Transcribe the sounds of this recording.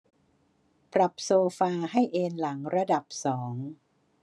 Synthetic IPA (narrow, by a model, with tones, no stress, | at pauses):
pɾa˨˩p̚soː˧faː˧ɦa˥˩jʔeː˧nla˩˦ŋɾa˧da˨˩p̚sɔː˩˦ŋ